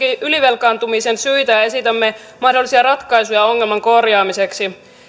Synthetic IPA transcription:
iʔyliʋe̞lkɑːnt̪umisensyjt̪æjɑe̞sit̪æmːe | mɑhdolːˑisiɑrɑt̪kɑjsujɑo̞ŋːelmɑŋko̞rjɑːmise̞ksi

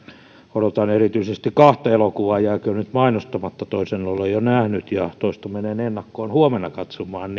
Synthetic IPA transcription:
odot̪ɑnerit̪yisest̪ikɑht̪ɑelokuʋɑːjæːkønyt̪mɑinost̪ɑmɑt̪ːɑt̪oisenːolejjonæhnyt̪jɑt̪oist̪ɑmenenenːɑkːoːnhuomenɑkɑt̪somɑːnn

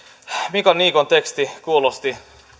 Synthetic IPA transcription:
mikɑnniːkont̪ekst̪ikuːlost̪i

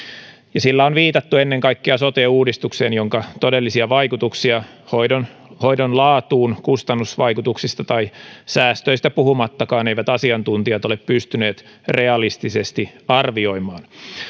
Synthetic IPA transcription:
jɑsilːæonʋiːt̪ɑt̪ːuenːeŋkɑikːeɑsot̪euːdist̪ukseːnjoŋkɑt̪odelːisiɑʋɑikut̪uksiɑ | hoidonho̞idonlɑːt̪uːnkust̪ɑnːusʋɑikut̪uksist̪ɑt̪ɑisæːst̪øist̪æpuhumɑt̪ːɑkɑːneiʋæt̪ɑsiɑnt̪unt̪iɑt̪o̞leppyst̪yne̞ːt̪ | reɑlist̪isest̪iɑrʋio̞imɑːn

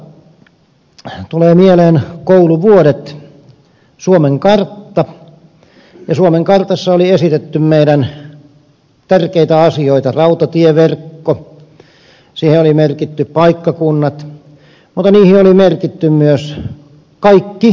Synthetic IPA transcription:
t̪uleːmieleːnkouluʋuoɾet̪ | suomeŋkɑrt̪ːɑ | jɑsuomeŋkɑrt̪ɑsːɑoliesit̪et̪ːymmeiɾæn | t̪ærkeit̪æɑsioit̪ɑrɑut̪ɑt̪ieʋerkːo | siːheolimerkit̪ːyppɑikːɑkunːɑt̪ | mut̪ːˑɑniːhiolimerkit̪ːymmyøs | kɑikːi

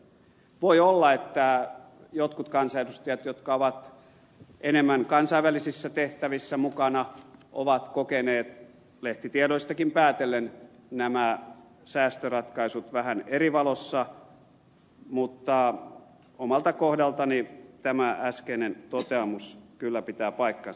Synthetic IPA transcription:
ʋoiolːɑet̪ːæ | jot̪kut̪kɑnsɑetust̪iæt̪jot̪kɑoʋɑt̪ | ʔenemːæŋkɑnsɑiʋʋælisisːæt̪eht̪æʋisːæmukɑnɑʔo̰ʋɑt̪kokeneːt̪ | leht̪it̪iedoist̪ɑkimpæːt̪elːennæmæ | sæːst̪ørɑt̪kɑisut̪ʋæhæneriʋɑlosːɑ | mut̪ːɑ | omɑlt̪ɑkohdɑlt̪ɑnit̪æmææskeinent̪ot̪eɑmuskylːæpit̪æːpɑikːɑn

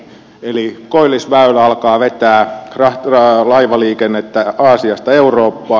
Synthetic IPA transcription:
elikoilːˑisʋæylæɑlkɑːʋet̪æːrɑrɑlɑiʋɑliːkenːet̪ːæɑːsiɑst̪ɑeuroːpːɑː

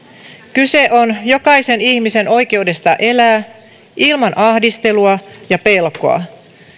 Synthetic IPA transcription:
kyse̞ʔo̞njo̞kɑise̞niçmise̞no̞jke̞ude̞st̪ɑʔe̞læː | ʔilmɑnʔɑhdist̪e̞luɑjɑpe̞lko̞̰ɑ̰

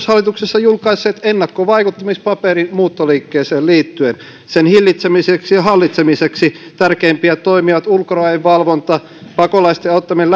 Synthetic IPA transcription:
shɑlːˑit̪uksesːɑjulkɑisːeːt̪enːɑkːoʋɑikut̪ːɑmispɑperimuːt̪ːoliːkːeːseːlliːt̪ːyen | senhilːit̪semiseksiɑhɑlːit̪semiseksit̪ærkeimpiæt̪oimiʋɑt̪ulkoroɑeʋʋɑlʋont̪ɑ | pɑkolɑist̪eɑut̪ːɑmiel

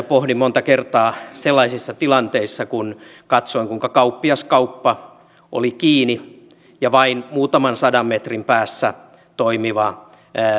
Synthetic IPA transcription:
pohdimmont̪ɑkert̪ɑːselːɑisisːɑt̪ilɑnt̪eisːɑkunkɑt̪soiŋkuiŋkɑkɑupːiɑskɑupːɑ | ʔo̰likiːni | jɑʋɑinmuːt̪ɑmɑnsɑdɑmmet̪rimpæːsːæ | t̪oimiʋɑ

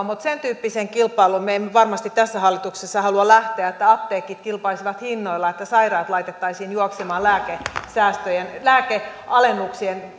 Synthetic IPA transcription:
mut̪sent̪yːpːiseŋkilpˑɑilumemːʋɑrmɑst̪it̪t̪æsːæhɑlːit̪uksesːɑhɑluɑlæht̪eæet̪ːæɑpt̪eːkːit̪kilpɑisiʋɑt̪hinːoilːɑet̪ːæsɑirɑːt̪lɑit̪et̪ːɑisiːnjuoksemɑːllæːkesæːst̪øjenlæːkeʔɑlenːuksien

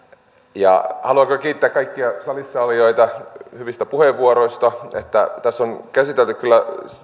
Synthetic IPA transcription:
jɑ̰hɑluɑkokiːt̪ːeæːkɑikːiɑsɑlisːɑɑlijo̞it̪ɑhyʋist̪æpuheʋːuoɾoist̪ɑet̪ːæt̪æsːonkæsit̪elt̪ykylːæ

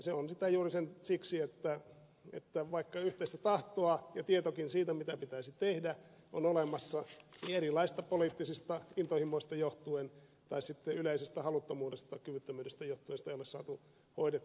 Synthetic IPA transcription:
seonsit̪æjuːrisensiksiet̪ːæ | ḛt̪ːæʋɑikːɑyht̪eist̪æt̪ɑht̪oɑjɑt̪iet̪okinsiːt̪æmit̪æpit̪æisit̪ehdæ | ʔo̰nolemɑsːɑnieɾilɑist̪ɑpoliːˑt̪ːisist̪ɑint̪ohimːoist̪ɑjoht̪uen | t̪ɑisit̪ːeyleisest̪æhɑlut̪ːomuːdest̪ɑkyʋyt̪ːømyːdest̪æjoht̪ːuenst̪ɑejolessɑ̰ːt̪u | hoidet̪ː

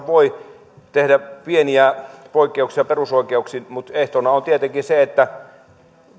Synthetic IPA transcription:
ʋoi | t̪ehdæpieniæpoˑikːeuksiɑperusoˑikˑeuksiːmut̪eht̪onɑont̪iet̪eŋkiseet̪ːæ

